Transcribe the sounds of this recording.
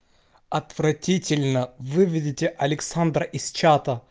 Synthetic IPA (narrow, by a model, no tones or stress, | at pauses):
ɐt̪v̥ɾɐtʲitʲɪlʲnəvɨvʲɪdʲɪtʲɪʔɐlʲɪksand̪ɾəʔɪst͡ʃat̪ə